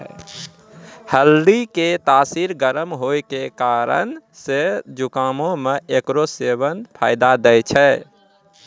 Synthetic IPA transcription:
həld̪iket̪asiɾɡəɾəmɦojkekaɾə̰nsed͡ʒukamõmeekɾoseβənpʰa̰ɪd̪ad̪ɛjt͡ʃʰɛ

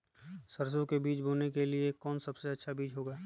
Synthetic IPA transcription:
sɐɾs̬õkebiːt͡ʃboːnekeliekɔːnsɐbseɐtːʃʰabiːd͡ʒɦoːɡaː

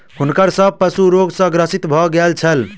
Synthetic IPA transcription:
hunkəɾsəb̚pəsuɾoɡsə̃ɡɾəsit̪bʱɔɡelt͡ʃʰəl

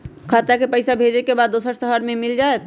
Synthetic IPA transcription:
kʰat̪akepəɪsabʱed͡ʒekebaːd̪ːosəɾsəɦəɾmẽmild͡ʒaet̪̚

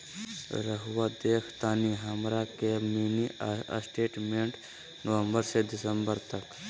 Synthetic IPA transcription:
ɾəɦʋad̪eːkʰt̪aːniɦəmɾakemiːniə̰sʈeːʈmẽɳʈ | nəʋə̃mbəɾsed̪ɪsəmbəɾt̪ək

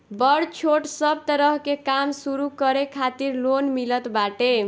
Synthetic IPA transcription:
bʌɽt͡ʃʰoʈsʌb̚t̪əɾʌɦkekamsuɾukʌɾekʰat̪iɾlonmilət̪baʈe

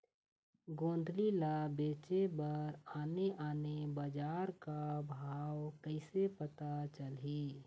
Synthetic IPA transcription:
ɡõːnd̪ʱlilabeːt͡ʃebəɾaːneʔaːnebəd͡ʒaːɾkabʱaːwkəɪsepət̪at͡ʃəlɦi

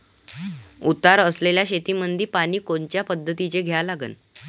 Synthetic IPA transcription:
ut̪aɾəsleljaɕet̪iːmənd̪ʱiːpañiːkoɲt͡ɕjapəd̪ʱːət̪it͡ɕeɡʱjalaɡə̰n

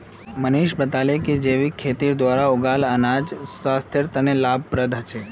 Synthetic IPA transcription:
məniʃbət̪aleked͡ʒeʋikʰet̪iɾd̪ʋaɾauɡalənad͡ʒsast̪ʰeɾt̪ənelab̚ʱpɾəd̪ʱat͡ʃʰe

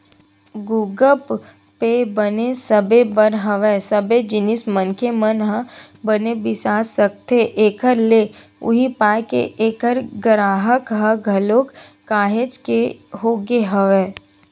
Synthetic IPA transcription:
ɡuɡəp | pebənesəbebəɾɦəʋɛsəbed͡ʒɪnɪsmənkʰemənɦə | bənebɪsaːsəkt̪eʔeːkəɾle | ʊ̰ɦipaːjkḛʔeːkəɾɡɾaːɦəkɦəɡʱɐloːkː | aːɦed͡ʒkeɦoːɡeɦəʋeː

